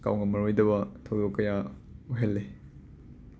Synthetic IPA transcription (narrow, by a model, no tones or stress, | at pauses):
ka̰wŋɐmɐɾojdɐbɐtʰɐwdokːɐjauɦelːe